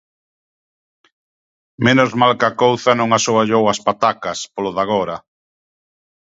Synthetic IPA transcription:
menozmalkakowθanõŋasoaʎowɐspat̪akɐspoloðaɣ̞oɾɐ

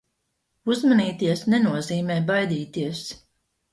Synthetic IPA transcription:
uzmaniːt̪iɛsnɛnuɔziːmɛjbajd̪iːt̪iɛs

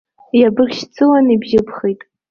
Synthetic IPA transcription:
jabɨrʲʃt͡sʰɨlanibʒɪpʰχijtʼ

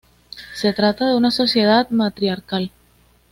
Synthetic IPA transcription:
se̞t̪ɾat̪aðe̞unaso̞sje̞ð̞at̪mat̪ɾiaɾkal

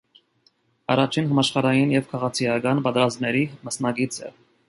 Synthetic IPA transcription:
ɑ̰rɑt͡ʃʰinɦɑmɑʃχɑɾɑjinjɛvkʰɑʁɑt͡sʰijɑkɑnpɑt̪ɛɾɑzmnɛɾiməsnɑɡit͡sʰɛ̰

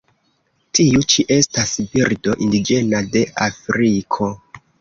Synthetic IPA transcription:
tiut͡ʃiʔe̞stasbiɾdo̞ʔindid͡ʒe̞nade̞ʔafɾikʰo̞

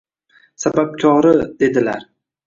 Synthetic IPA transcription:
sabap̚t͡ʃʰɒʁɾɪd̪̥e̞d̪ɪla̰ɾ

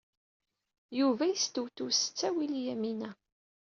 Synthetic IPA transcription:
juvæjəst̪wt̪usə̥t͡sːæwiljæminæ

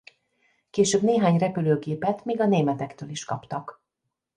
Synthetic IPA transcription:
keːʃøːbneːɦaːɲrɛpyløːɡeːpɛt̪miːɡɒneːmɛt̪ɛkt̪øːliʃkɒ̰pt̪ɒk

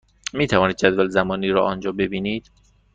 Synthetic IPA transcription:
miːt̪ʰævɒːniːd̪̚d͡ʒæd̪vælzæmɒːniːɾɒ̰ːʔɒnd͡ʒɒːbe̞biːniːd̪̥

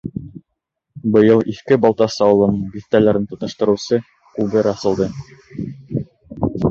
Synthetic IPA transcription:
bɤ̆jɤlˠiθkɘbɑlˠt̪ɑsɑwlˠɤ̆nbiθt̪ælæɾɘnt̪ŏt̪ɤ̆ʃt̪ɤ̆ɾɤ̆wsɤ | kʉβɘɾɑsɤ̆lˠd̪ɤ

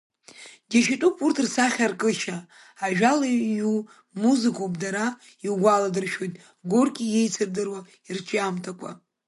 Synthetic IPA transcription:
ɡʲaʃitʷʼupʰʼurtʰrsaχʲarkʼɨʃaː | ʒᶣalaju | muzɨkʰopdaɾa | iwɡʷaladɨrʃojtʼ | ɡorkʲʼijejt͡sʰɨrdɨrwa | irt͡ʃʼamtʰakʷʼʰa̰

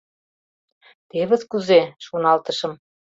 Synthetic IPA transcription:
t̪eβɘ̆ðkuzeʃonɑlt̪ɤ̆ʃɤ̆m

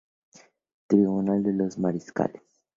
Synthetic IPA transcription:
t̪ɾiβunald̪elozmaɾiska̰les

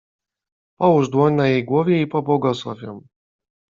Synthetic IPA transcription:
pɔwuʐd̪wɔɲnajejɡwɔvʲjɛipɔbwɔɡɔswˠɔ̰vʲjɔm

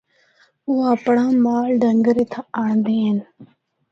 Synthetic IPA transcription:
uːəpɽaːmaːlɖəŋɡəɾeːt̪ʰaaːɳnd̪iːɦən

